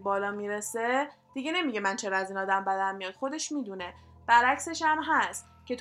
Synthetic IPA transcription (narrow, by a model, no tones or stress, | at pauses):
bɒːlɒːmiɾese̞d̪̥iɟe̞ne̞miɟemænt͡ʃʰe̞ɾɒæzinɒːd̪æmbæd̪æmːijɒːd̪xo̞d̪e̞ʃmid̪une̞ | b̥æɾæcse̞ʃæmɦæst̪ | cʰe̞t̪